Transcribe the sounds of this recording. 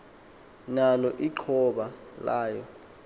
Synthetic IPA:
nalɔʔiǃʰɔɓalaːjɔ

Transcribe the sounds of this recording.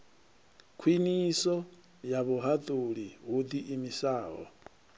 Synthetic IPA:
kʰwinisɔ | jaβuɦat̪ʼuɺiɣud̪iʔimisaːɦɔ̰

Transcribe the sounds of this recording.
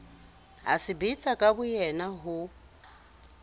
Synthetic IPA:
ɦa̰sɪbit͡sʼakʼabʊjɛnaɦʊ

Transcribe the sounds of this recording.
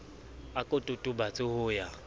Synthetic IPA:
akʼotʼʊtʼʊbat͡sʼɪhʊja

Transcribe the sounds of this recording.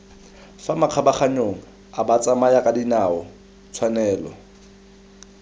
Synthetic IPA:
famaq͡χʰabaχaɲoŋ̩ | abat͡sʼamajakʼadinaɔ | t͡sʰwanɛːlɔ̰

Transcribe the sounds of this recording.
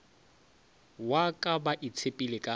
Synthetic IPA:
wakʼabaʔɪt͡sʰepʼilɪkʼa

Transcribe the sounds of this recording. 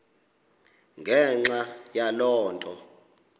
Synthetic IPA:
ŋɡʱɛŋ͡ǁajalɔːntʼɔ

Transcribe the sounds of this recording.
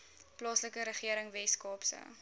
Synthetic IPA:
plɑːsləkəɾəχiəɾəŋvɛskɑːpsə̰

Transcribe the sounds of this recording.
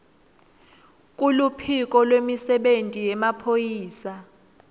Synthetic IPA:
kʼulupʰik̬ʼɔlwemisɛɓentʼijɛmapʰojiːsa

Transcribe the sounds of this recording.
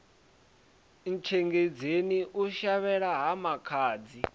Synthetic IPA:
n̩t͡ʃʰɛŋɡed͡zeniʔuʃaβɛɺaɦamakʰaːd͡zi

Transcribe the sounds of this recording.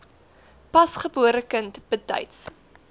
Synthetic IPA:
pɐsχəbuəɾəkəntb̥ətœ̰jts

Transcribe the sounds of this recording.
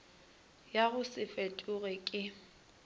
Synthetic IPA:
jaɣʊsɪfetʼʊɣɛkʼɪ

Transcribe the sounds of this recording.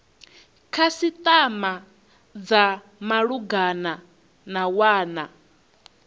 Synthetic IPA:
kʰasit̪ʼama | d͡za | maɺuɡana | nawaːna

